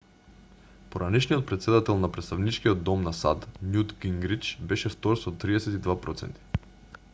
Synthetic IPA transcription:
poɾanɛʃnijɔt̪̚pɾɛt̪sɛd̪at̪ɛlˠnapɾɛt̪st̪avnit͡ʃkiɔd̪ːɔmnasa̰t̪nʲjud̪ɡiŋɡɾit͡ʃbɛʃɛft̪ɔɾsɔt̪ːɾiɛsɛt̪id̪vapɾɔt̪sɛ̰nt̪i̥

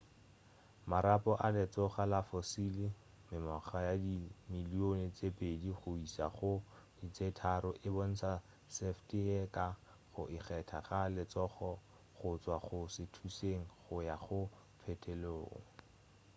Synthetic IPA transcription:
maɾapɔʔalɪt͡sɔχalafosili | mɪmɔχajadimilionɪt͡sepʼediχʊisa̰χʊ | dit͡setʰaɾʊʔɪbon̩sa | seftiɛka | χʊ̰ʔɪχɛtʰaχalɪt͡sɔχɔ | χʊt͡swaχʊsɪtʰuseŋ̩χʊjaχʊ | pʰɛtʰeloːŋ̩

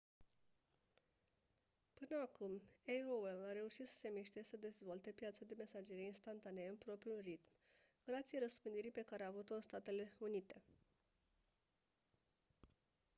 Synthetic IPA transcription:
pɨnəakumeoelaɾe̞uʃit̪sə̥se̞miʃt̪esəd̪e̞zvo̞lt̪e̞pjat̪sad̪e̞me̞sad͡ʒe̞ɾeinst̪ant̪aneɨnpɾo̞pɾiulrit̪m | ɡ̥ɾat̪sieɾəspɨnd̪iɾipe̞kaɾeaːvut̪o̞ɨnst̪at̪e̞le̞unit̪e̞

